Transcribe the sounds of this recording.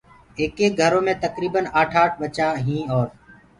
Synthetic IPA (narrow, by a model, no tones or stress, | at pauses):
eːkeːɡʱəɾõːmẽːt̪əkɾiːbənaːʈʰaːʈ̚ʰbət͡ʃaːɦĩːɔːɾ